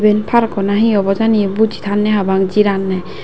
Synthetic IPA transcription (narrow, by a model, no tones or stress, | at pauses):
benpʰaɾkɔnaɦiɔbɔzanibud͡ʒit̪ʰanːaɦabaŋd͡ʒiɾanːaj